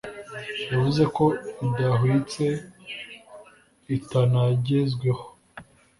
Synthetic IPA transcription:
javuze̞ko̞idaɦwit͡se̞ | itanaɟezɡweho

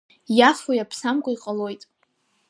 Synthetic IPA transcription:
jafojapʰsamkʷʼaiqʼalo̞jtʼ

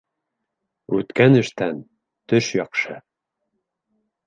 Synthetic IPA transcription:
ʉt̪kænɘ̆ʃt̪æn | t̪ɵʃjɑqʃɤ

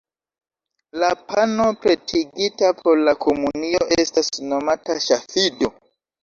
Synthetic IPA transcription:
lapano̞pɾe̞tʰiɡitapʰo̞ɾlakʰo̞munio̞ʔe̞stasno̞mataʃafido̞

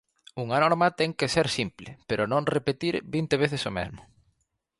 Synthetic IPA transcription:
uŋanɔɾmɐt̪ɛŋkeseɾsimplɪ̰peɾʊnõŋrepet̪iɾbint̪eβ̞eθesomɛ̰zmʊ

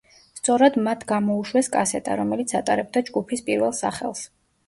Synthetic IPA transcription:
st̪sʼɔɾad̪mat̪ʰɡamɔuʃwɛskʼasɛt̪ʼa̰ɾɔmɛlit̪sʰat̪ʼaɾɛb̚d̪ad͡ʒɡupʰispʼiɾvɛlˠsa̰χɛ̰lˠs

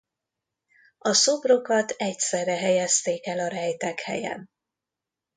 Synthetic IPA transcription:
ɒso̞bro̞kɒt̪ɛcsɛrːɛɦɛjɛst̪eːkɛlɒɾɛjt̪ɛkhɛ̰jɛ̰n

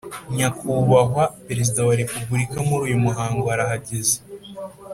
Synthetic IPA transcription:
ɲakuβaɦwape̞ɾezidawaɾe̞pubuɾikamuɾuːjumuɦaːŋɡoaɾaɦaɟeze̥

